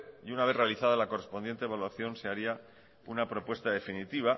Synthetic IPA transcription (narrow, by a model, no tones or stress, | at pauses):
iunaβe̞θre̞aliθað̞alako̞re̞spond̪je̞nt̪eβalwaθjo̞nseaɾia | unapɾo̞pwe̞st̪aðe̞finit̪iβ̞a